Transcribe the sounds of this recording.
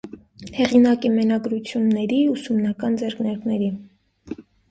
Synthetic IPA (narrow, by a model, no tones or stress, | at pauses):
hɛʁinɑkimɛnɑɡɾut͡sʰjunːɛɾiusumnɑkɑnd͡zɛɾkʰnɛɾkʰnɛɾi